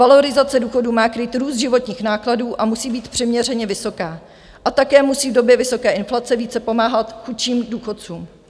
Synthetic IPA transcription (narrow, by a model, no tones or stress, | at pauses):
valo̞ɾɪzat͡sɛduːxo̞duːmaːkɾiːt̪ɾuːst̪ʒɪvo̞t̪ɲiːxnaːkladuːʔamusiːbiːt̪pr̥ɪmɲɛr̝ɛɲɛvɪso̞kaː | ʔat̪akɛːmusiːvdo̞bjɛvɪso̞kɛːʔɪnflat͡sɛviːt͡sɛpo̞maːɦat̪xut͡ʃiːmduːxo̞t̪̚t͡suːm